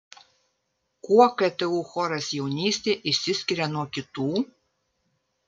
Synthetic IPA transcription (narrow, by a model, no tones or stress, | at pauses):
kuɔkɛt̪ʲɛuːxɔɾɐsjɛʊnʲiːsʲt̪ʲeːʔɪʃʲsʲɪsʲkʲɪɾʲɛnuɔkʲɪt̪uː